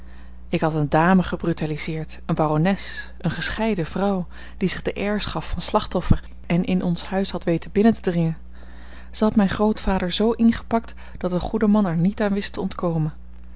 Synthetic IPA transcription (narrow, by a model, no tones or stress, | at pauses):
ɪkɦɑtəndaːməχəbrytalizɪːɹt | ənbaːronɛs | ʔənχəsχɛjdəvrʌw | d̥izɪχdəʔɛɹsχɑfːɑnslɑχtɔfəɹ | ɛnʔɪnʔɔnshœɥsɦɑtʋejtənbɪnətədrɪŋən | z̥əɦɑtmɛjnχrowtfaːdəɹzowʔɪnχə̥pɑk̚t | d̥ɑtdəχudəmɑnɛɹnitaːnʋɪstəɔntkowmən